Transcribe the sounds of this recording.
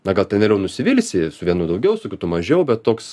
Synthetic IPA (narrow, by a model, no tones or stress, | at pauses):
nɐɡɐlˠtʲɛnʋʲɛːlʲɛʊnʊsʲɪʋʲɪlʲsʲɪsʊʋʲiɛnuːd̪ɐʊɡʲɛʊsʊkʲʊt̪ʊmɐʒʲɛʊbʲɛt̪toːks